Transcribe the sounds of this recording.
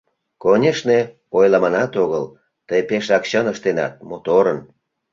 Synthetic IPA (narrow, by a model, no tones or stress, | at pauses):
konʲeʃne | ojlɑmɑnɑt̪oɣəl | t̪əjpeʃɑkɕənəʃt̪enɑ̰t̪̚mot̪oɾən